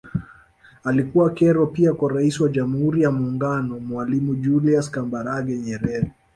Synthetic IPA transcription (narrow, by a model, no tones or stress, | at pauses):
alikuwakɛɾɔpiakwaɾaisiwaʄamuhuɾijamuːŋɡanɔmwalimuʄuliaskambaɾaɡɛɲɛɾɛɾi